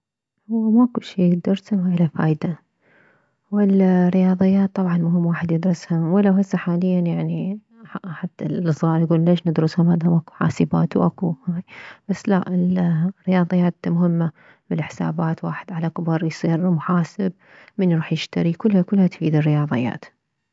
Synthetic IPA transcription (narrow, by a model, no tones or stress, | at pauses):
hʊwːamaʔkʊʃiːɡd̪ɑɾˤamaʔɪlafaːjd̪a | wɪlrɪjɑːðˤɨjːaːt̪ˤːɑbʕɑnmʊɦɪmːwaːħɪd̪jɪd̪ɾʊshamwɪlawhasːaħaːlɪjːanjaʕni | ħat̪ːaʔsˤɣɑːɾɡuːllaʒnad̪ɾʊshamhaːd̪amaʔku̥ħa̰ːsɪba̰ːt̪wʔakuhaːjb̥asːla̰ʔɪlrːɪjɑːðˤɨjːaːt̪mʊhɪmːa | bɪlɪħsa̰ːbaːt̪waːħɪd̪ʕalakʊbɑɾˤjsˤiːɾmʊħaːsɪb̚ | mɪnɾuːħjɪʃt̪aɾikʊlːhakʊlhat̪fiːd̪ɪrːɪjɑːðˤɨ̰jːa̰ːt̪